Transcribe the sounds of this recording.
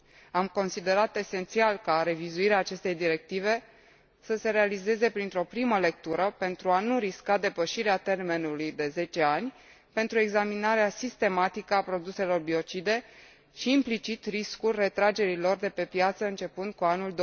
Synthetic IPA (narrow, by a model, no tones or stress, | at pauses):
amko̞nsid̪e̞ɾat̪e̞se̞nt̪sialkaɾe̞vizuiɾeaːt͡ʃe̞st̪e̞jd̪iɾe̞k̚t̪ive̞ | səse̞ɾe̞alize̞ze̞pɾint̪ɾo̞pɾiməle̞k̚t̪uɾəpe̞nt̪ɾuanuɾiskad̪e̞pəʃiɾeat̪e̞rme̞nulujd̪e̞ze̞t͡ʃe̞anʲ | pe̞nt̪ɾue̞ɡzaminaɾeasist̪e̞mat̪ikəapɾo̞d̪use̞lo̞rbio̞t͡ʃid̪e̞ | ʃiːmplit͡ʃit̪riskulʲre̞t̪ɾad͡ʒe̞ɾilo̞rd̪e̞pe̞pjat̪səɨnt͡ʃe̞pɨnd̪̚kuanuld̪o